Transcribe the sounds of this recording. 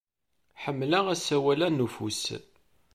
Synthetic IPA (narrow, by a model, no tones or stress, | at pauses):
ħəmːlæʁæsæwælænufṵs